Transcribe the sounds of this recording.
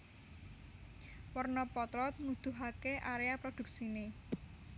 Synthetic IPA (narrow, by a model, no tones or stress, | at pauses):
wərnɔpɔt̪ɾɔt̪̚nud̪̥uɦakeʔaɾeapɾɔd̪̥ṳk̚sine